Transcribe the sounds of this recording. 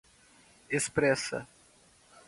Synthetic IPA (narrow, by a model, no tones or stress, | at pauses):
espɾɛsɐ̰